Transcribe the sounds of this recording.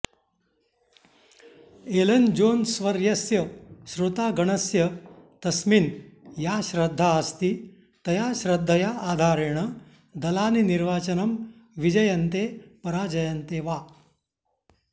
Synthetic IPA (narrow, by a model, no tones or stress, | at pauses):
elɐnd͡ʑoːnsʋɐɾjɐsjɐɕɾut̪aːɡɐɳɐsjɐt̪ɐsminjaːɕɾɐd̪ʱːaːst̪iː | t̪ɐjaːɕɾɐd̪ʱːəjaʔaːd̪ʱaːɾeɳɐ | d̪ɐlaːniniɾʋaːt͡ʃɐnɐm | ʋid͡ʒɐjɐnt̪epɐɾaːd͡ʒɐjɐnt̪eːʋa